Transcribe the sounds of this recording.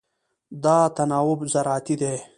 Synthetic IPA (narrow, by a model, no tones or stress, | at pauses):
d̪ɑːt̪ɐnɑːwʊbzɐɾaːt̪id̪eː